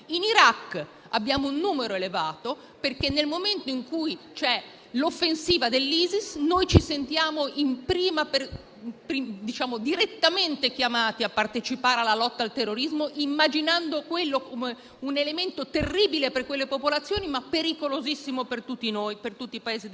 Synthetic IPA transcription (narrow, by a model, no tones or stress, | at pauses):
iniɾakː | abːjaːmounːuːmeɾoelevaːt̪o | perkenːelmoment̪oiŋkujt͡ʃɛ | lofːensiːvad̪elːiːzisnojt͡ʃisent̪jaːmoʔimpɾiːmaper | pɾid̪it͡ʃaːmod̪iɾet̪ːament̪ek̟jamaːt̪iapːart̪et͡ʃipaːɾealːalɔt̪ːalt̪erːoɾizmoʔimːad͡ʒinand̪okwelːokome | unelement̪ot̪erːiːbileperkwelːepopolat̪sːjoːnimapːeɾikolozisːimopert̪ut̪ːinojpert̪ut̪ːiːpaeːzi